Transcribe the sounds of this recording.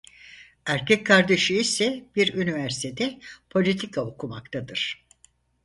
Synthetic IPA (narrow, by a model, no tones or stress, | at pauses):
æɾcɛc̚kʰːaɾd̪eʃɯisɛb̥iɾynivæɾsi̥t̪ʰed̪ɛpʰo̞lʲit̪ʰikʰaokʰuma̰k̚t̪ʰad̪ɯɾ̥